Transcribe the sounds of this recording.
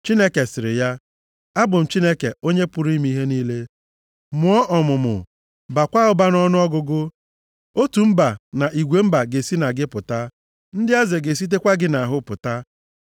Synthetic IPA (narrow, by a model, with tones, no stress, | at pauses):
t͡ʃi˦ne˦ke˨sɪ˨ɾɪ˨ja˦ | a˦bʊ˨m̩˨t͡ʃi˦ne˦ke˨o˦ɲe˦pʊ˦ɾi˦m˦i˦ɦe˦niː˦le˦ | mʊ˨ɔ˦ʔɔ˨mʊ˨mʊ̰˨ | ba˨kʷa˦ʊ˦ba˦n˦ɔ˦nʊ˦ɔ˦ɡʊ˦ɡʊ˦ | o˦tu˨m̩˦ba˨na˨ʔi˨ɡʷe˨m̩˦ba˨ɡe˨si˦na˨ɡɪ˦pʊ˨ta˦ | n̩˦dɪ˦a˦ze˨ɡe˨s̬i˦t̬e˦kʷa˦ɡɪ˦na˨a˨ɦʊ˦pʊ˨ta˦